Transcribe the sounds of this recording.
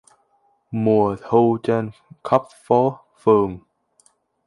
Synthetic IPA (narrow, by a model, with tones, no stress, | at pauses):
mu˨˩əthu˧t͡ɕɛ˧nkʰə˦˥p̚fɔ˧˦˥ | fɨ˨˩ŋ